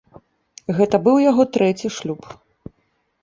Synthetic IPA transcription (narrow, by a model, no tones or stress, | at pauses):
ɣɛt̪ɐbɨwjaɣɔt̪ɾɛt͡sʲiʂlʲup